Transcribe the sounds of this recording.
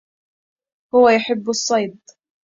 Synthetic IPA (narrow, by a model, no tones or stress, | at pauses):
hʊwajʊħɪbːɑsˤːɑjd̪̚